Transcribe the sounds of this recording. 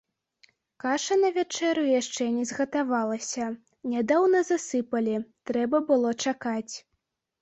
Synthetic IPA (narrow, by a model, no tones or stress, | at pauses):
kaʂɐnɐvʲat͡ʂɛɾujaʂt͡ʂɛnʲɛzɣɐt̪avalˠɐsʲɐ | nʲad̪awnɐzasɨpɐlʲit̪ɾɛbɐbɨlˠɔt͡ʂakat͡sʲ